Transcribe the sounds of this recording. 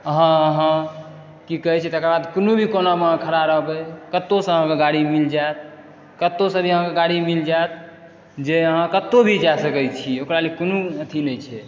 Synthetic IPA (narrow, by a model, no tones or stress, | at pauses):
əɦãəɦã | kikəɦɛt͡ʃʰɛt̪ekɾabad̪konubʱikonam̃kʰəɾaɾəɦbɛkət̪ːosə̃əɦãkeɡaɽimild͡ʒat̪̚ | kət̪ːosə̃bʱiəɦãkeɡaɽimild͡ʒaet̪̚ | d͡ʒeəɦãkət̪ːobʱid͡ʒasəkɛt͡ʃʰiokɾalekonuət̪ʰinəjt͡ʃʰɛ